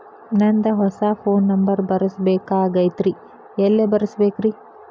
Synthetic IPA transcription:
nɐnd̪ɐɦɔsapʰoːnːɐmbɐɾbɐɾɐsbeːkaːɡɐjt̪ɾi | ɛlːebɐɾɐsbeːkɾi

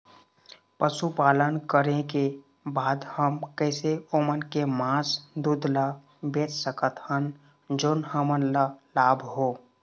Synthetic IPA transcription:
pəʃupaːlənkəɾeke | baːd̪həmkɛːseomənkemãːsd̪uːd̪ʱla | beːt͡ʃsəkət̪hən | d͡ʒoːnhəmənlalaːbʱɦoː

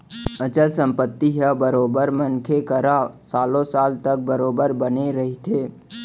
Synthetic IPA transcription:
ət͡ʃəlsə̃mpət̪ːiɦabəɾoːbəɾmənkʰekəɾasaːlõsaːlt̪ək̚bəɾoːbəɾbəneɾɐɦit̪ʰeː

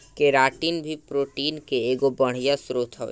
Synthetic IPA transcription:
keɾaːʈinbʱipɾoːʈiːnkeeːɡobəɽ̤ijasɾoːt̪ʰɦɔ̰ː

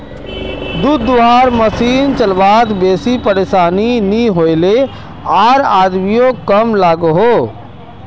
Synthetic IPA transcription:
d̪uːd̪ːuɦaːɾməsiːnt͡ʃəlbaːt̪beːsipəɾeːʃaːniniɦoːjle | aːɾaːd̪mijõkəmlaːɡɦoː

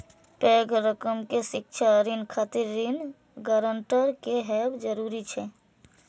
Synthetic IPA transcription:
pɛɡʱɾəkəmkesɪkt͡ʃʰaɾinkʰat̪iɾːin | ɡəɾəɳʈəɾkeɦɛbd͡ʒəɾuɾit͡ʃʰɛ

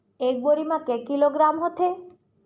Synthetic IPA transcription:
ek̚boɾimãkekiloɡɾamɦɔt̪ʰe

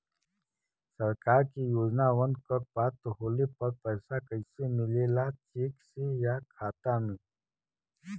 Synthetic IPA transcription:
sɐɾkaːɾkijoːd͡ʒnaʋə̃nd̪kəɾpaːt̪ɦoːlepɐɾpɛːsakəsemɪleːlat͡ʃeːksejakʰaːt̪amẽː

